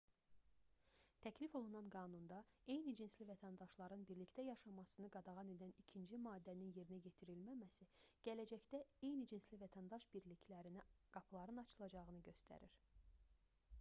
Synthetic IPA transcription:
t̪ʰæcʰlifo̞lˠunɑnɡɑːnund̪ɑe̞jnid͡ʒinslivæt̪ʰænd̪ɑʃlˠɑɾɯnbiɾlict̪æjɑʃɑmɑsɯnɯɡɑd̪ɑʁɑne̞d̪ænicʰind͡ʒimɑːd̪ːæninje̞ɾinæje̞t̪ʰiɾilmæmæsiɟ̥ælæd͡ʒæçd̪æe̞jnid͡ʒinslivæt̪ʰænd̪ɑʃb̥iɾlicʰlæɾiniɡ̥ɑpʰlˠɑɾɯnɑt͡ʃʰɯlˠɑd͡ʒɑʁɯnɯɟø̞st̪ʰæ̰ɾiɾ

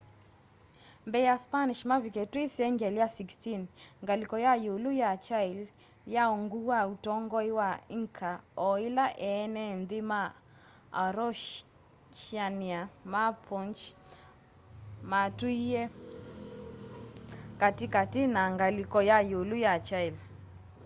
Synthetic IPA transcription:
mbɛjaspaniʃmaviketwisɛŋɡɛljasikstinŋɡalikɔjajolujat͡ʃail | jaɔŋɡuwautɔŋɡɔiwaiŋkʰaɔilaʔɛnɛnðɪma | aɾɔʃ | t͡ʃianiamapʰɔnt͡ʃ | matuiɛ | katɪkatɪnaŋɡalikɔjajolujat͡ʃail

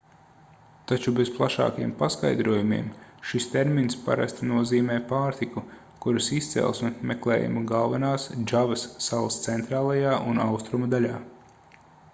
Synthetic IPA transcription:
t̪at͡ʃubez̥plˠaʃɑ̰ːkɐjḭɛmpaska̰jd̪ɾuɔjumḭɛmʃist̪eɾminspa̰ɾa̰st̪nuɔziːmɛːpaːɾt̪iku | kuɾusist̪sɛ̰lˠsmimeklˠɛ̰ːjṵmaɡalˠvɐnaːsd͡ʒavɐsːalˠst̪sent̪ɾaːlˠajaːʔunawst̪ɾumad̪alʲaː

